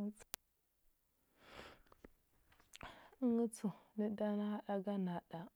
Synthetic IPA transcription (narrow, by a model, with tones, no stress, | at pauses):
ŋə˦t͡su˨ni˦da˦na˦a˦ɗa˦ɡa˦na˨ɗa˨